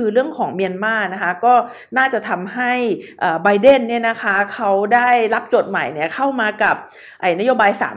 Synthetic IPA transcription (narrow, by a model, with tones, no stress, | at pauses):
ɯː˧ɾɯ˥˩əŋkʰɔː˩˦ŋmi˧ənmaː˥˩na˦˥kʰa˦˥kɔː˥˩ | naː˥˩t͡ɕa˨˩t̪ʰa˧mɦa˥˩jʔaː˨˩ba˧jde˥˩nːi˥˩ɐna˦˥kʰa˦˥kʰa˦˥wdaː˥˩jla˦˥p̚t͡ɕo˨˩t̪̚ma̰˨˩˦jni˥˩ɐkʰa˥˩wmaː˧ka˨˩p̚ | ʔa˨˩na˦˥joː˧baː˧jsa̰ː˩˦